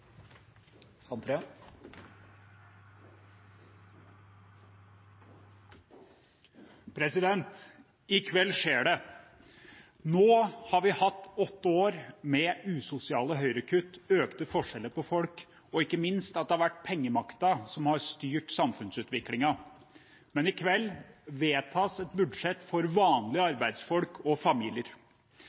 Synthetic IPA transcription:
sɑnt̪ʰɾe | pʰɾɛsɪd̪ɛnt̪ | ɪkʰʋɛlːʂeːɖɛ | noːhɑɾʋɪhɑt̪ːɔt̪ːəoːɾmɛʉːsʊsɪɑːləɦœʏɾəkʰʉt̪ːøːkt̪əfɔʂɛlːəpɔfɔlk | ɔɪkːəmɪnst̪ɑt̪̚d̪ɛhɑɾʋæʈ̚ːpʰɛŋːəmɑkt̪ɑsɔmhɑɾst̪yːʈsɑmfʉnsʉːt̪ʋɪklɪŋɑ | mɛnɪkʰʋɛlːʋeːt̪ʰɑːsɛt̪bʉd̪ʂɛt̪ːfɔɾʋɑːnlɪəɑɾbæɪd̪sfɔlkʰɔfɑmiːlɪəɾ

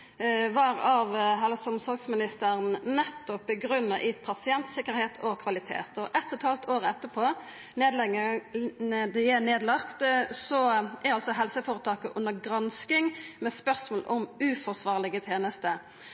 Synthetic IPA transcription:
ʋɑːʁɑʋɦɛlsɔmsɔɡsmɪnɪst̪əʁənnɛt̪ːɔpbəɡɾʉnːɑʔɪpʰɑsɪɛnt̪sɪkəɾheːt̪ʰɔkʰʋɑlɪt̪ʰḛːt̪ɔʔɛt̪ʰːɔt̪ʰɑlt̪ʰoːʁəɛt̪ːəpʰoː | neːd̪lɛɡənɛd̪æneːd̪lɑkt̪sɔʔæɾɑlsɔɦɛlsəfoːɾət̪ʰɑːkəʔʉnəɡʁɑnskɪŋmɛspœʁsmoːlʔɔmʉːfɔʁsʋɑːʁlɪɡət̪ʰeːnəst̪ə

